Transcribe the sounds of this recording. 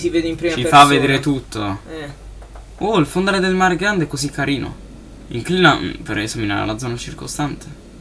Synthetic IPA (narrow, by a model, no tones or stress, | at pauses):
siveːd̪eimpɾimt͡ʃifavvːed̪eːɾet̪ut̪ʰːoɛ | oilfond̪aːɾed̪elmaɾɡɾand̪ɛkːozikʰːaɾiːno̰ | iŋkliːnapeɾezamina̰ɾa̰lad̪zːɔnat͡ʃirkost̪ant̪ʰe̥